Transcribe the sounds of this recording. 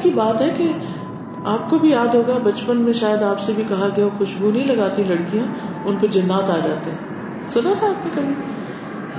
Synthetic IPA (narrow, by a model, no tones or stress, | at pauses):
kibaːt̪ɦɛke | aːp̚kobʱijaːd̪ɦoːɡabɐt͡ʃpənmẽʃaːjəd̪aːpsebʱikɐɦaɡɐjaxʊʃbʱunɐɦĩlɐɡaːt̪ĩlɐɽkijã | ʊnpɐɾd͡ʒɐnːaːt̪aːd͡ʒaːt̪eɦɛ̃ː | sʊnat̪ʰaaːpnẽkɐbʱi